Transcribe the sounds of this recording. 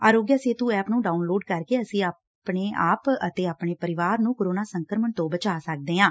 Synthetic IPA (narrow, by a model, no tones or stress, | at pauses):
aːɾoːɡjaːseːt̪ũːɛːpnũːɖaːunloːɖkəɾkeːəsĩːa | pɳeːʔaːpət̪eːaːpɳeːpəɾɪʋaːɾnũːkoɾoːnaːsəŋkɾəməɳt̪õːbət͡ʃaːsək̚d̪eːɦãː